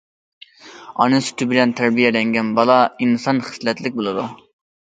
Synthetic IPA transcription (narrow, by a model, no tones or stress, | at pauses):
ɑ̰nɨsy̥t̪ʰɪbɪlɛnt̪ʰæɾbijɛlɛŋɡʲɛnbɑlˠɑinsɑnχə̥slɛt̪lɪk̚ʲbolˠɨd̪u